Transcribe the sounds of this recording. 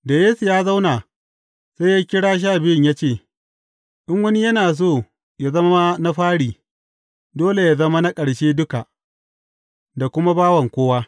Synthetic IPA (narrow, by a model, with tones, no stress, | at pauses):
da˨jeː˦su˨jaː˦za˦wnaː˨ | sa˦ja˦kʲɪ˦ɽaː˦ʃ̬aː˦˨bɪ˦ɪ˦˨ɲja˦t͡ʃeː˦˨ | ʔɪ˦ŋwɐ˦ni˦jɐ˦naː˨s̬oː˦˨ | ja˨zɐ˦m˦ma˦na˦ɸaː˦ɽiː˨ | doː˦le˨ja˨zɐ˦ma˦na˦kʼɐ˨ɽʃeː˦dʊ˦ka˨ | da˨kʷʊ˦ma˦baː˦wɐ˨ŋkʷoː˦waː˦